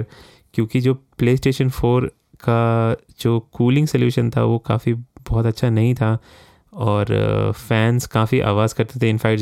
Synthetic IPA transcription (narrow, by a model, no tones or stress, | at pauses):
ɾ | kjõːkid͡ʒoːpleːsʈeːʃə̃nfoːɾ | ka | d͡ʒoːkuːlɪ̃ŋɡsɐljuːʃənt̪ʰa̰ʋoka̰ːfibɔɦt̪ɐtːʃʰanɐɦĩt̪ʰa | ɔːɾfɛːnzkaːfiʔa̰ːʋaːzkɐɾt̪et̪ʰẽɪnfɛːk̚ʈ